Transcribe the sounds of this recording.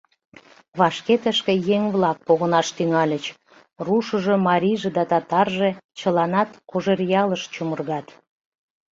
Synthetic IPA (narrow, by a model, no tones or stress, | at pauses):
βɑʃket̪əʃkĕjeŋβlɑk̚poɣənɑʃt̪yŋɑlʲət͡ɕ | ruʃəʒomɑɾʲiʒed̪ɑt̪ɑt̪ɑrʒet͡ɕəlɑnɑt̪koʒerjɑləʃt͡ɕumərɣɑt̪